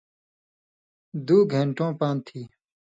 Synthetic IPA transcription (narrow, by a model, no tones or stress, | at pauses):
d̪uːɡʱẽɳʈõːpaːnt̪ʰiː